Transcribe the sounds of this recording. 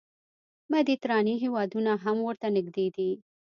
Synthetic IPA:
mad̪it̪ɾɑniɦewɑd̪unaɦamwəɾt̪anɪɡd̪ed̪i

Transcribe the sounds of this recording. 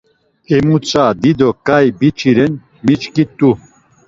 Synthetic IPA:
ɛmut͡sʼad̪id̪ɔkajbit͡ʃʰiɾɛn | mit͡ʃkit̪ʼu

